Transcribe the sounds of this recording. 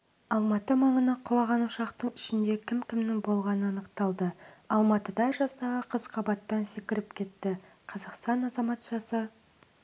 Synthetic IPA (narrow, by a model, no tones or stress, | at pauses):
ɑlˠmɑt̪əmɑɴənəqʰʊlˠɑʁɑnuʃɑqt̪əɴɪʃɪnd̪ekʲʰɪmkʲʰɪmnɪŋbo̞lˠʁɑnəɑnəqt̪ɑlˠd̪əɑlˠmɑt̪əd̪ɑʒɑst̪ɑʁəqʰəzqʰɑbɑt̪ːɑnsɪkʲɪɾɪpkʲʰe̞t̪ːɪ | qʰɑzɑqst̪ɑnɑzɑmɑt̪ʒ̥ɑsə